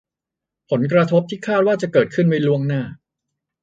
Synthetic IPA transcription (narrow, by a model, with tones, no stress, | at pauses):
pʰo˩˦nk̬ɾa˧t̪ʰo˦˥p̚t̪ʰiː˥˩kʰaː˥˩t̪̚waː˥˩t͡ɕa˨˩kɤː˨˩t̪̚kʰɯ˥˩nma˦˥jlu˥˩əŋnaː˥˩